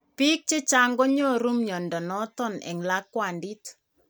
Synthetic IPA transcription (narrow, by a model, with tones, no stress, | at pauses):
pi˦k̚t͡ʃe˦t͡ʃa˦ŋɡɔ˦ɲo˦ɾu˦mɲɔ˨ndɔ˨nɔ˦tɔ˦nɛ̰˨ŋla˦kːwa˨ndi˦t